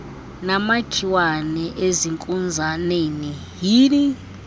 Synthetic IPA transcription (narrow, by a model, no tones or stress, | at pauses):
namaɡ̥ʱiwanɛʔeziŋkʼund͡zʱaneni | ɦiːni